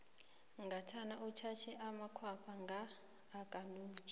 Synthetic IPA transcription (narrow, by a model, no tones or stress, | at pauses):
ŋɡatʰanaut͡ʃʰat͡ʃʰɛʔamakʰwapʰaŋɡaː | kʼanuːkʼi